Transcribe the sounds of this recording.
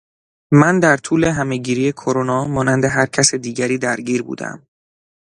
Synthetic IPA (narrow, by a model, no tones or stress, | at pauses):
mænd̪æɾt̪ʰuːle̞ɦæmeɟiːɾiːje̞kʰoɾonɒːmɒːnænd̪e̞ɦæɾcʰæsed̪iːɟæɾiːd̪æɾɟiːɾbṵːd̪æ̰m